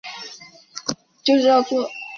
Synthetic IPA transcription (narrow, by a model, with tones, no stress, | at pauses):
t͡ɕo˥˧ʂɻ̩˥˩jɑ˥˧˩t͡sɔ˥˩